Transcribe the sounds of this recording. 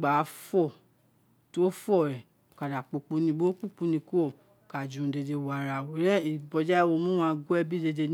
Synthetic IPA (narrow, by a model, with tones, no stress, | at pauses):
ɡ͡ba˨˦fɔ˦˨ | to˦fɔ˦˨ɾɛ˨ | ka˨da˨k͡po˨k͡pu˧˦nĩ˧bo˦k͡pu˦˨k͡pũ˨˧nĩ˧ko˦˨ | ka˨d͡ʒũ˨˧de˧de˧wa˨ɾa˨wo˨˦ɾɛ˦i˨bɔ˨d͡ʒa˦wo˧˦mũ˦wã˧ɡu˦ɛ˦˧bi˦de˧de˧n